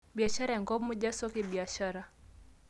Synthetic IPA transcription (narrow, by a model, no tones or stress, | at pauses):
ɓiaʃaɾaɛŋɡɔmuʄasɔkiɓiaʃaɾa